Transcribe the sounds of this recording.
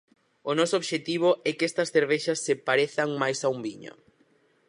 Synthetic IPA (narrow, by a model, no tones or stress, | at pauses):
onɔsooβʃet̪iβ̞oɛkɛst̪ɐsθeɾβ̞eʃɐsːepaɾeθaŋmajsaumbiɲo̰